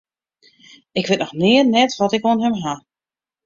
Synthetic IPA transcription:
ɪkʋɪt̚nɔxnɪːərnɛtʋɔtɪkoənɦɛmɦa

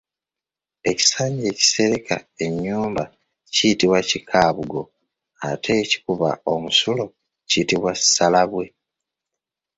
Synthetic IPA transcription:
e̞ci̥saːɲɟe̞ːci̥se̞ɾekʰa̰e̞ɲːuːmba | ciitiβwacikʰaːβuɡo̞ | a̰tʰe̞ːci̥kuβa̰o̞musulo̞ | citiβwasalaβwe̞

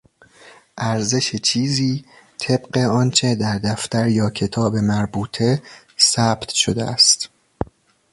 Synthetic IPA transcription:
ʔæɾze̞ʃet͡ʃʰiːziː | t̪ʰe̞bɢe̞ɒnt͡ʃʰe̞d̪æɾd̪æft̪æɾjɒːcʰe̞t̪ʰɒːbe̞mæɾbuːt̪ʰe̞ | sæːb̥t̪ʰʃod̪ḛʔæ̰st̪

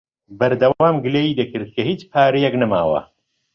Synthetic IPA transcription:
bɐɾd̪ɐwawaːmɡɨleːjiːd̪ɐkɨɾd̪̚kʰɐɦiːt͡ʃpʰaːɾijɛknɐma̰ːwɐ̰

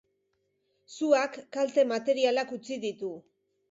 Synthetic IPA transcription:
suakːalt̪e̞mat̪e̞ɾialakut͡siðit̪u

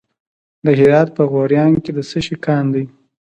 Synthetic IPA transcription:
d̪əɦɪɾɑd̪̚pəɣoɾjɑŋked̪əsəʃikɑnd̪aj

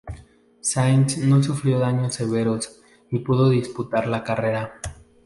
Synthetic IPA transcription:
sajnsno̞s̬ufɾjo̞ðaɲo̞se̞β̞e̞ɾos | ipuðo̞ðisput̪aɾlakare̞ɾa

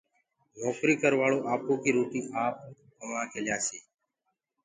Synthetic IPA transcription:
nɔːkɾiːkəɾʋaːɭoːʔaːp̚oːkiːɾoːʈiːʔaːp̚ | kəʋãːkʰeːljaːseː

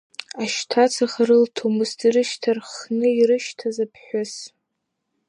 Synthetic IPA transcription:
aʃtʰat͡sʰaχaɾɨltʰomɨstʰiɾɨʃtʰarχnɨirɨʃtʰazapʰħʷʊs

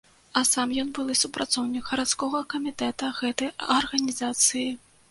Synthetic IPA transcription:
ɐsamjɔnbɨlˠɨsupɾʔat̪sɔwnʲikɣɐɾat̪skɔɣɐkɐmʲit̪ɛt̪ɐɣɛt̪ɐjɐrɣɐnʲizat̪sɨji

